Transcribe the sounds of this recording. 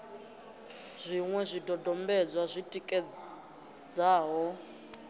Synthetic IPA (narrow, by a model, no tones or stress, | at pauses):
z̥ʷiŋwɛzʷidɔdɔmbɛd͡zwazʷitʼikʼɛ | d͡zaːɦɔ